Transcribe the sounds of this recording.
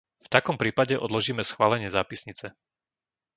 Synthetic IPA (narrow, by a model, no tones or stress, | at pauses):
ft̪akɔmpɾiːpaɟɛʔɔd̪lɔʒiːmɛsxʋaːlɛɲɪɛzaːpisɲit͡sɛ